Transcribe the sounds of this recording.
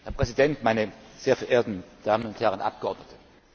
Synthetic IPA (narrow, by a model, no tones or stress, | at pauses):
hɛːɐpʁ̥ɛzidɛntmaɪnəz̥eːɐfɛɐʔeːɐtn̩d̥aːmənʊnthɛʁənʔa̰p̚ɡ̥əʔɔɐdnətʰə̥